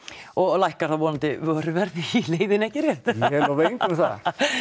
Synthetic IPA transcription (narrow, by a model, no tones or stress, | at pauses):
ɔɣlajhkaɾ̥θavɔːnant̪ɪvɪaɾʏvɛɾvɪilejðɪnɛhcɪrjɛht̪ɛɾavejŋk̪ɪmθa̰